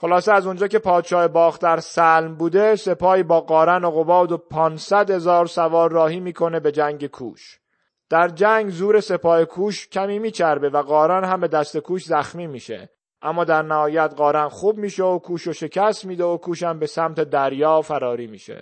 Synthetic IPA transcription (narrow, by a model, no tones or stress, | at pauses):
xo̞lɒːseæzond͡ʒɒːce̞pʰɒːd̪ʃɒːhebɒːxt̪d̪æɾsælmbuːd̪e̞se̞pʰɒːiːbɒːɣɒːɾænoɣo̞bɒːd̪o̞pʰɒːnsæd̪he̞zɒːɾsævɒːɾːɒːhiːmiːkʰo̞ne̞be̞d͡ʒæŋɟekʰṵːʃ | d̪̥æɾd͡ʒæŋɡzuːɾe̞se̞pʰɒːhekʰuːʃcʲʰæmiːmiːt͡ʃʰæɾbe̞væɣɒːɾænhæmbe̞d̪æst̪e̞kʰuːʃzæxmiːmiːʃḛ | ʔæmːɒːd̪æɾnæhɒːjæd̪ɢɒːɾænxuːb̚miːʃeokʰuːʃoʃe̞cʰæst̪miːd̪eokʰuːʃæmbe̞sæmt̪ʰe̞d̪æɾjɒːfæɾɒːɾiːmḭːʃḛ